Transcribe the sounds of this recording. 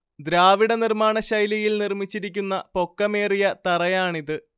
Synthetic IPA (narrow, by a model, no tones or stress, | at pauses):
d̪ɾaːʋiɽɐnirmaːɳɐɕɐjlɐjilnirmit͡ɕːiɾikʲːunːɐpo̞kːɐme̞ːrijɐt̪ɐrɐjaːɳiðɨ